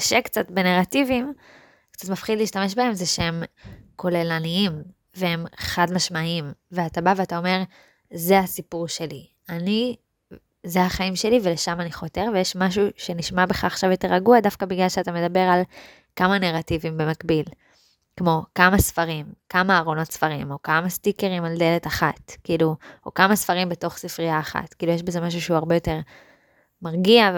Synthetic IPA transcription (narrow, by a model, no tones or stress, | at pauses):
kaʃekt͡satbe̞neʁativim | kt͡satmafχidliːʃtame̞ʃbahe̞mzeʃeemkʰo̞lelaniim | vehemχadmaʃmaimveatabaveatao̞me̞ʁ | zeasipuʁʃe̞li | ani | zeaχaimʃe̞livele̞ʃamaniχo̞te̞ʁve̞jeʃmaʃ̬uʃe̞niʃmabe̞χaːχʃavjo̞te̞ʁaɡuadafkabiɡlalʃeatame̞dabe̞ʁal | kamaneʁativimbe̞makbil | kmo̞kamasfaʁimkamaːʁo̞notsfaʁimo̞kamastikeʁimalde̞letaχatkiːluo̞̰kamasfaʁimbe̞to̞χsifʁiaːχa̰tkiːlujeʃbe̞ze̞maʃ̬uʃeuaʁbejo̞te̞ʁ | maʁɡia